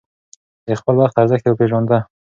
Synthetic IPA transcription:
d̪expəlwaxt̪aɾzəxt̪ewəpeʒɑnd̪a

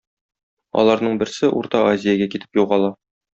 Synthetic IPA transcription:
ɒ̰lˠɑɾnɤɴbɘ̆ɾsɘʔṵɾt̪ɑʔazʲɪjaɡækit̪ɘ̥pjuʁɑlˠɑ

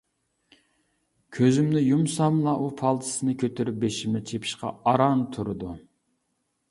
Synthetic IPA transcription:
kʲʰøzymnɪjumsɑmlˠɑʔupʰɑlˠt̪ʰɨ̥sɨnɨkʲʰøt̪ʰyɾyp̚beʃimɪt͡ʃʰepʰi̥ʃqɑ̰ɑɾɑnt̪ʰuɾɨd̪u

